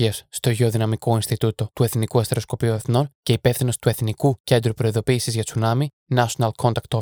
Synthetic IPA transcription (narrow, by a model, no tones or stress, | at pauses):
iɐsːt̪o̞ʝeo̞ðinɐmiko̞inst̪it̪ut̪o̞t̪ue̞θnikuɐst̪e̞ɾosko̞piue̞θno̞nce̞ipe̞fθino̞st̪ue̞θnikucend̪ɾupɾo̞iðo̞piːsizʝɐt͡sʰunɐmi | nɐʃonɐlkʰo̞nt̪ɐkt̪o